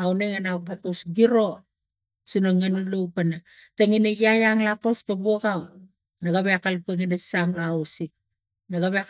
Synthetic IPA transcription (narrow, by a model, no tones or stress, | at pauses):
awneŋanapakosɡiɾo̞ | sunaŋanulowpana | taŋinejajaŋlakoskabuoɡaw | naɡaβeakalpeŋinesaŋlaosi | naɡaβea